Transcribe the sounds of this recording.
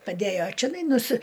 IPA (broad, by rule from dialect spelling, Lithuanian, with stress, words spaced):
pɐˈdʲæjoː t͡ʃʲɛˈnɐɪ nʊˈsʲɪ